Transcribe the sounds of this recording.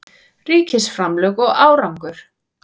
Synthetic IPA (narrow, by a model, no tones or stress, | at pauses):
riːcɪsfɾamlœɣɔɣaːwɾawŋkʏɾ̥